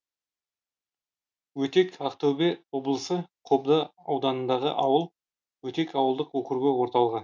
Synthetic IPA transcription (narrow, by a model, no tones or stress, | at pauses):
wɵt̪e̞kɑqt̪owbewo̞blˠəsəqʰo̞bd̪əɑwd̪ɑnənd̪ɑʁə̰ʔɑwəlˠ | wɵt̪e̞kɑwəlˠd̪əqwɵkʲɪɾɡʲewo̞ɾt̪ɑlˠəʁɑn